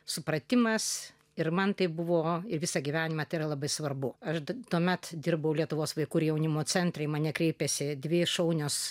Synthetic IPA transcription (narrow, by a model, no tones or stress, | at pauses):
sʊpɾɐt̪ʲɪmɐs | ɪrmɐnt̪ɐɪbʊʋoːɪɾʋʲɪsɐɡʲiʋʲæːnʲɪmɐt̪ɐɪɾɐlˠɐbɐɪsʋɐrbʊɐʃt̪uɔmʲɛt̪d̪ʲɪrbɐʊlʲiɛt̪ʊʋoːsʋɐɪkuːɪɾjɛʊnʲɪmoːt͡sʲɛnʲt̪ʲɾʲɛɪmɐːnʲɛkɾʲɛɪpʲɛsʲɪdʲʋʲɪʃɐʊnʲʊs